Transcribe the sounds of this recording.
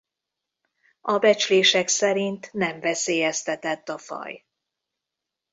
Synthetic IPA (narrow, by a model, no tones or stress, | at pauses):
ɒbɛt͡ʃleːʃɛksɛɾint̪nɛɱvɛseːjɛst̪ɛt̪ɛt̪ːɒfɒ̰j